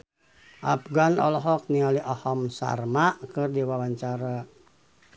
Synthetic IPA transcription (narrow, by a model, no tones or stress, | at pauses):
ʔap̚ɡanɔ̰lɔɦɔk̚nialiʔɔhɔmsa̰rmaʔkɨrdiwawaɲt͡ʃaɾa